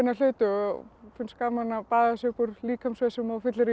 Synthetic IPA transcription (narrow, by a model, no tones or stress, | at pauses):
ɪnːal̥ʏːt̪ʏfʏnskaːmanːapaːðasʏhpuɾliːkʰamsvɛsɪmafɪt̪lɪɾi